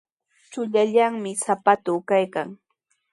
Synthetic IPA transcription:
t͡ʃʊʎaʎaŋmɪsapat̪ukajkaŋ

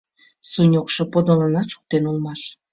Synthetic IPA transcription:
sunʲokʃɤ̆pod̪olənɑʃu̥k̚t̪enulˠmɑʃ

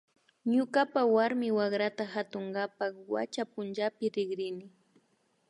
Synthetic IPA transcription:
ɲʊkapawaɾmɪwaɡɾat̪ahat̪oŋɡapakwa̰t͡ʃapʊnt͡ʃapɪɾɪɡɾɪnɪ

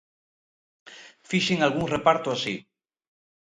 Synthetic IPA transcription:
fiʃiŋalɣuŋrepaɾt̪oasi

